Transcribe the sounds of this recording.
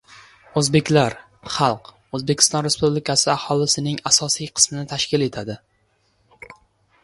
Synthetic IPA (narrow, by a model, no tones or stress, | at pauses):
ɵzbe̞kʲlaɾ | χɑlˠq | ɵzbekʲʰɪ̥st̪ɒnɾe̞spublɪkʰasɪahɒlˠɪsɪnɪŋasɒsijqʰɨ̥smɪnɪt̪ʰaʃkʲɪle̞t̪ʰad̪ɪ